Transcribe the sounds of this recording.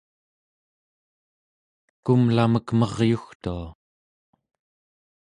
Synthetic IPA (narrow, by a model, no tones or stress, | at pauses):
kumlaməkmʌʁjuxt̪ua